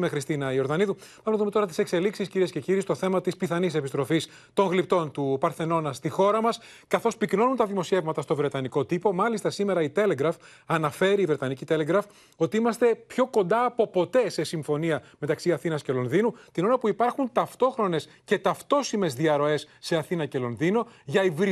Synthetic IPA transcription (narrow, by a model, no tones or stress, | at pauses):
mexɾist̪inɐio̞ɾðɐniðupɐmnɐðume̞t̪oɾɐt̪i̥se̞kse̞liksisciɾie̞sce̞ciɾist̪o̞θe̞mɐt̪ispiθɐnise̞pist̪ɾo̞fis | t̪o̞ŋɣlip̚t̪o̞nt̪upɐɾθe̞no̞nɐst̪ixo̞ɾɐmɐs | kɐθo̞spikno̞nunt̪ɐðimo̞sie̞vmɐt̪ɐst̪o̞vɾe̞t̪ɐniko̞t̪ipo̞mɐlist̪ɐsime̞ɾɐit̪e̞le̞ɡɾɐf | ɐnɐfe̞ɾiːvɾe̞t̪ɐnicit̪e̞le̞ɡɾɐf | o̞t̪iimɐst̪e̞pço̞ko̞nd̪ɐːpo̞po̞t̪e̞se̞siɱfo̞niɐme̞t̪ɐksiɐθinɐsce̞lo̞nðinut̪ino̞ɾɐpuipɐɾxunt̪ɐft̪o̞xɾo̞ne̞s | ce̞t̪ɐft̪o̞sime̞zðiɐɾo̞e̞sːe̞ɐθinɐce̞lo̞nðino̞ʝɐivɾi